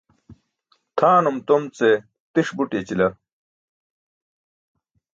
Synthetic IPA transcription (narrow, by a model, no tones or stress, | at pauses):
t̪ʰaːnumt̪omt͡se | t̪iʂbuʈit͡ɕilɐ